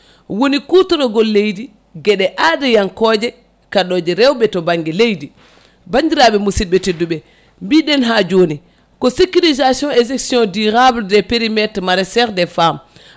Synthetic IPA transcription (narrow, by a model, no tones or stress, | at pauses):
wonikutɔɾɔɡɔlːejdi | ɡɛɗɛʔadɛjaŋkɔːd͡ʒɛ | kaɗɔd͡ʒɛɾɛwɓɛtɔbaŋɡɛlejdi | baɲdiɾaɓɛmusid̚ɓɛtidːuɓɛ | mbiɗɛnɦad͡ʒoni | kɔsikilizasiɔ̃nɛsɛksiɔ̃ndiɾabldɛpeɾimɛtɾmaɾɛsɛɾdɛfam